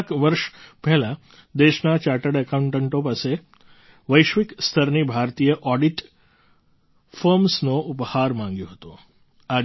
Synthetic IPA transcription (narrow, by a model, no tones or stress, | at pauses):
kʋəɾʃpɛɦlã | d̪eʃnat͡ʃaʈəɽəkauɳʈəɳʈõpase | ʋəjʃʋikst̪ʰəɾnibʱaɾt̪ijəʔɔɖiʈ | fəɾmsnoʔuphaɾmãŋɡjõɦət̪ũ | a